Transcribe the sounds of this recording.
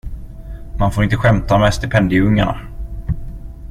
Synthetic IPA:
manfoːɾɪnt̪əɧɛmt̪amɛst̪ɪpʰɛnd̪ɪɵŋːa̰ɳa̰

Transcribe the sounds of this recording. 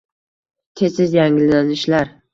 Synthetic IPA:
t̪ʰesɪzjaŋɪlːanɪʃlaɾ

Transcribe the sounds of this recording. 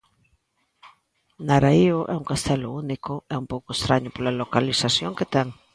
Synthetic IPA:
naɾaioʔɛuŋkast̪ɛlounikoɛumpowkoest̪ɾaɲopolalokalisasjoŋket̪ɛŋ

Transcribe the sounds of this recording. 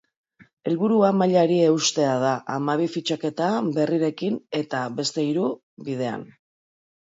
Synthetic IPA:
e̞lβuɾuamaʎaɾie̞ust̪e̞að̞aʔamaβ̞ifit͡ʃake̞t̪abe̞riɾe̞kine̞t̪aβe̞st̪e̞iɾu | βið̞e̞a̰n

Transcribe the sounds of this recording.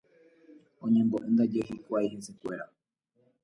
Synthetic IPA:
õ̞ɲẽ̞mboʔẽnd̪ad͡ʒeɦikʷajhe̞nse̞kʷe̞ɾa

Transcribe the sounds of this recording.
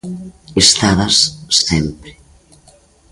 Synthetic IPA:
est̪aðasːɛmpɾe

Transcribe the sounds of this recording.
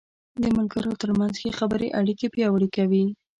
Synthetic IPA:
d̪əmʊlɡəɾot̪əɾmanzxexabəɾeʔaɽikepjɑwəɽikawi

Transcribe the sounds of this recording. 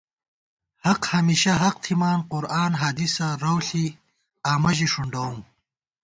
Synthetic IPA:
hɐqhɐmiːɕɐɦɐq̚t̪ʰimaːnqʊɾaːnɦaːd̪isaɾɐwɬi | aːmɐʑiʂuɳɖawm

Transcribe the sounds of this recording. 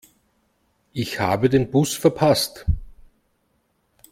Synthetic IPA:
ʔɪçha̰ːbədeːnbʊsfɛɐpʰast

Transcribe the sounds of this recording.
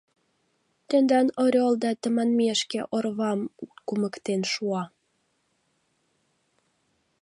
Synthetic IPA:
t̪end̪ɑnoɾʲold̪ɑt̪ə̆mɑnmeʃkeʔorβɑmkumə̆kt̪enʃuɑ

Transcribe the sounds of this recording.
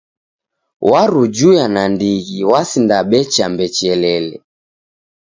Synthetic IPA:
waɾud͡ʒujanandiɣiwasindaɓɛt͡ʃambɛt͡ʃɛlɛlɛ̰

